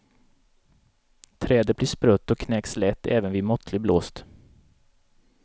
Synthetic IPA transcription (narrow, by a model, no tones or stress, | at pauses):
t̪ʰɾɛːd̪əbliːʂpɾœt̪ːɔkʰnɛkslɛt̪ːɛːvənviːmɔt̪ʰlɪbloːst̪